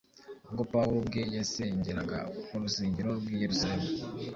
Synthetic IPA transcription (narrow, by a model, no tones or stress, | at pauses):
ɡopawobɡejeseɲɟiɾaɡa̰kuɾusiːɲɟiɾoɾɡijeɾusaɾema